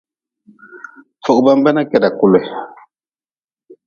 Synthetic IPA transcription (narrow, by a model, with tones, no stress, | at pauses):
fɔ˨k̚ba˦m˦ba˦na˦kɛ˨da˨ku˨lwɛ˨